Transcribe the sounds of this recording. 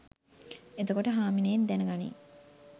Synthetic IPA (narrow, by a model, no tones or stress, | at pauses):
et̪okoʈəɦaːmineːnd̪ænəɡanḭː